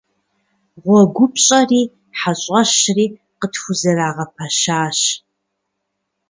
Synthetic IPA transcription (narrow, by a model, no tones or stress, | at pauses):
ʁʷɔɡʷʊp̚ʰɕʼɐriː | ħaɕʼɐɕriː | qətxʷʊzɐraːʁɐpʰɐʃaːɕ